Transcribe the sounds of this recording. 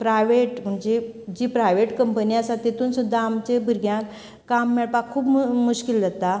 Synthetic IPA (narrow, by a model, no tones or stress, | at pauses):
pɾajʋeʈm̤əɳd͡ʑed͡ʑiːpɾajʋeʈkəmpəniasat̪et̪uːnsud̪ʱːaːmt͡ɕebʱiɾɡjãk | kːamːɛɭpakkʰːuːpmuɕkild͡zət̪a